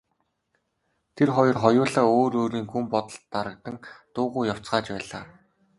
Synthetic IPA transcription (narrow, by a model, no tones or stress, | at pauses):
t̪ʰerχɔjɞ̆rχɔjʊːɮaːoːɾoːɾiːŋɡumpɔt̪ə̆ɬt̪ːaɾə̆k̚t̪ə̆ŋt̪ʊːʁʊːjaw̥t͡sɢaːt͡ɕpæːɮaː